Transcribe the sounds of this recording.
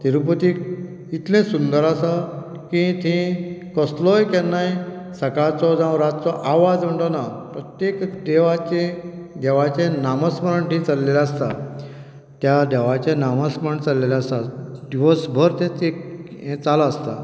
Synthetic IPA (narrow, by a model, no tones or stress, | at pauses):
t̪iɾup̬ət̪ik | it̪lẽsund̪əɾasa | kĩt̪ʰẽkəslɔjkɛnːaj | səkat͡sɔd͡zãwɾat̪t͡sɔʔaʋad͡zm̤əɳʈ̪onapɾət̪jekd̪eʋat͡ɕẽd̪eʋat͡ɕẽnaməsməɾəɳʈ̪ĩt͡salːeleast̪a | t̪jad̪eʋat͡ɕẽnaməsməɳt͡salːeleast̪ad̪iʋəsbʱəɾt̪ẽt̪eẽt͡salaːst̪a